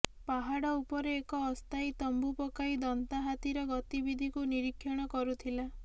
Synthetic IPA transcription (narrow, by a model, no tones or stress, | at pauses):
paɦaɽɔupɔɾeːkɔːst̪ajt̪ɔmbupɔkaid̪ɔnt̪aɦat̪iɾɔɡɔt̪ibid̪ʱikuniɾikʰːjɔɽ̃ɔkɔɾut̪ʰila